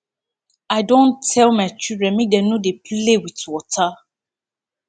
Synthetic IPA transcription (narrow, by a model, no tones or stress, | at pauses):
aɪdõntʰɛlmaɪt͡ʃildɹɛ̃nmik̚denodeplewitwɔtʰa